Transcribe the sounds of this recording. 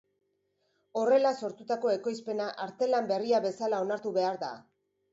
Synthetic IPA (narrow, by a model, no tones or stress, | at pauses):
o̞re̞laso̞ɾt̪ut̪ako̞e̞ko̞jspe̞naʔaɾt̪e̞lambe̞riaβe̞salao̞naɾt̪uβe̞aɾða̰